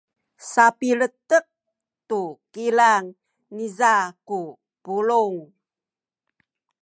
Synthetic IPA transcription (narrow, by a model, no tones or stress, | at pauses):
sapilətək̚ | tukilaŋ | nizaku | puluŋ